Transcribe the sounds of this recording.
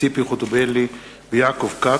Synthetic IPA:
ipiχot̪obeli | bjakovka

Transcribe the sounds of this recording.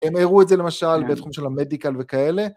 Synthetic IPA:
emeʁuetzele̞maʃalbet̪χumʃe̞lamedikalve̞kaele̞

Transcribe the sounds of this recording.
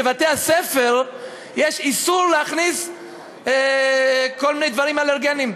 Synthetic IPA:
evat̪easefeʁ | jeʃisuʁleaχnis | kolminejd̪vaʁimaleʁɡenim

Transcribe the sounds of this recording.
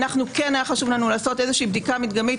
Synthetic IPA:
naχnuke̞nhajaχaʃuvlanulaːso̞te̞zeʃiːbd̪ikamit̪ɡamit

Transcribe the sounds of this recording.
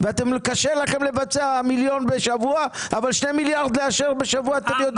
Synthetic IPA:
veat̪emkaʃelaχemle̞vat͡seamiljo̞nbeʃavuaavalʃnemiljaʁd̪leaʃeʁbe̞ʃavuaːt̪emlijot̪

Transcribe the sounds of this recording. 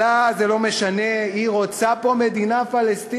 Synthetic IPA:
azelo̞me̞ʃane̞iʁo̞t͡sapo̞me̞d̪inafalest̪i

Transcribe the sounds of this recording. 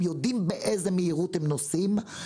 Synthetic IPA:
mjod̪imbeʔezemeiʁut̪hemnosim

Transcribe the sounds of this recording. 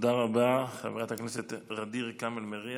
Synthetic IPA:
d̪aʁabaχa̰veʁat̪hakneset̪ʁad̪iʁkamelmeʁi

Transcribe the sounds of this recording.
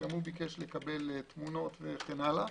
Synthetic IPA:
amhubikeʃlekabe̞lt̪muno̞t̪veχenala

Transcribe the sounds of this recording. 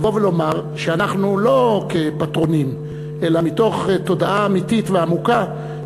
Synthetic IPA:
vo̞velo̞maʁʃeanaχnulo̞ke̞patʁo̞nim | ʔe̞lamito̞χto̞daʔaːmititveamuka

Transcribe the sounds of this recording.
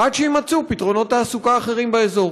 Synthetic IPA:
ʔad̪ʃeimat͡supit̪ʁo̞no̞t̪haːsukaːχe̞ʁimbeezo̞ʁ

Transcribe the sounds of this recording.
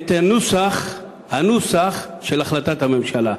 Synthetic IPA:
t̪enusaχ | hanusaχʃelaχlat̪at̪hamemʃala

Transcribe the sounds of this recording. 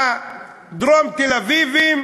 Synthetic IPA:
d̪ɾomt̪elavivim

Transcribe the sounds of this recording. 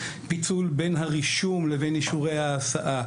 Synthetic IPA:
pit͡sulbenɦaʁiʃumleveniʃuʁejhaːsaʔa

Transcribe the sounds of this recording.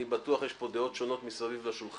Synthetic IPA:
ibat̪uaχjeʃbpo̞d̪eo̞t̪ʃo̞no̞t̪misavivlaʃulχ

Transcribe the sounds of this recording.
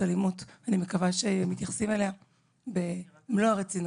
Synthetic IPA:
alimutanime̞kavaʃeemːit̪jaχsimelea | be | mloaʁet͡sin

